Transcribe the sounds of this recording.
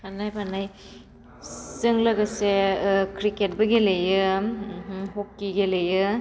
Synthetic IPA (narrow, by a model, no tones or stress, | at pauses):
panajpanaj | sɯŋlɐɡɐsekɾiket̚bɐɡelejɯɦɦokːiɡelejɯ